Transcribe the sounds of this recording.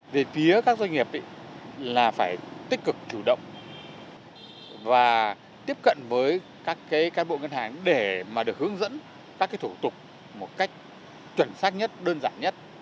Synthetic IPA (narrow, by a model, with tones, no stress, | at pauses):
ve˨˩fi˨˦əkaː˦˥k̚zwa˧jŋ̟ŋi˨˩əp̚ɗḭ˧˨laː˨˩faː˧˩jt̪ï˦˥k̚kːɨ˨˩k̚t͡ɕu˧˩ɗə̰˧˨wŋ͡m | vaː˨˩ | t̪i˦˥əp̚kə̰˧˨nvəː˨˦j | kaː˦˥kːaː˨˦jkaː˨˦nɓo̰˧˨ŋə˧nhaː˨˩ŋɗe˧˩maː˨˩ɗɨ˨˩ək̚hɨ˨˦əŋzə̰˧˥n | kaː˦˥kːaː˨˦jt̪ʰu˧˩t̪ʊ˨˩k͡p̚ | mo˨˩t̚ka˦˥jk̟̚ | t͡ɕwə˨˩nsaː˦˥t̚ɲə˦˥t̚ɗəː˧nzaː˧˩nɲə˦˥t̚